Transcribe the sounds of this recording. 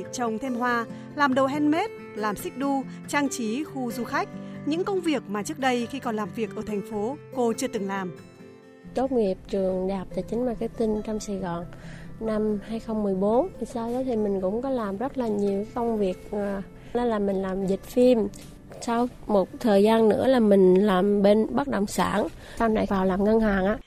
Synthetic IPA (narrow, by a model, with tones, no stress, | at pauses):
t͡ɕə˨˧˩wŋ͡mt̪ʰe˧mɦwaː˧ | laː˨˩mɗo˨˩ɦɛ˧nme˦˥t̚ | laː˨˩msï˦˥k̚ɗu˧ | t͡ɕa˧ŋt͡ɕi˨˦xu˧zu˧xa˦˥k̟̚ɲɨ̰˧˥ŋkə˧wŋ͡mvi˨˩ək̚maː˨˩t͡ɕɨ˦˥k̚ɗə˧jxi˧kɔ˨˩nlaː˨˩mvi˨˩ək̚ʔəː˧˩t̪ʰɛ˨˩jŋ̟fo˨˦ko˧t͡ɕɨ˧ət̪ɨ˨˩ŋlaː˨˩m | t̪o˦˥t̚ŋi˨˩əp̚t͡ɕɨ˨˩əŋɗaː˨˩p̚t̪aː˧˨˩jt͡ɕi˨˦ŋ̟maː˨˩kaː˨˦j̚t̪i˧nt͡ɕɔ˧wmsa˧˩jɣɔ˨˩nna˧mhaː˧jxə˧wŋ͡mmɨ˨˩əjɓo˨˦nt̪ʰi˨˩saː˧wzɔ˨˦t̪ʰi˨˩mï˨˩ŋ̟kʊ̰˧˥ŋ͡mkɔ˨˦laː˨˩mzə˦˥t̚laː˨˩ɲi˨˩əwkə˧wŋ͡mvi˨˩ək̚ː | n˨˦laː˨˩mï˨˩ŋlaː˨˩mzï˨˩k̟̚fi˧m | sa˧w | mo˨˩t̚t̪ʰəː˨˩jzaː˧nːɨ̰˧˥əlaː˨˩mï˨˩ŋ̟laː˨˩mɓe˧nɓa˦˥t̚ɗə̰˨˩wŋ͡msa̰ː˧˩n | sa˧wna̰˧˩˨jkaː˨˩wlaː˨˩mŋə˧nhaː˨˩ŋʔaː˧˩